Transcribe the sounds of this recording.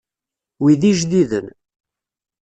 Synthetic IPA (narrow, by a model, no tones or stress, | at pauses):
wiðiʒðiðən